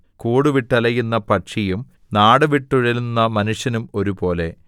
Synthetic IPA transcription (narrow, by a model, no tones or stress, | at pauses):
kuːɽuʋiʈːɐlɐjunːɐpɐʈʂijum | naːɽɨʋiʈːuɻɐlunːɐmɐnuʂjɐnumo̞ɾupo̞ːle̞̰